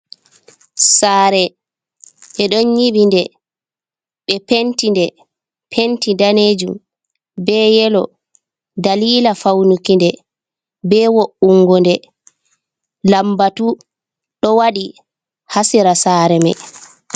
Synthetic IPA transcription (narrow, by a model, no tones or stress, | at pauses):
saːɾɛ | ɓɛɗɔnɲiɓindɛ | ɓɛpentindɛ | pʰentidaneːd͡ʒum | bɛjɛlɔ | daliːlafawnukindɛ | bɛwoʔuŋɡɔndɛ | lambatu | ɗɔwaɗi | hasiɾasaːɾɛmɛ̰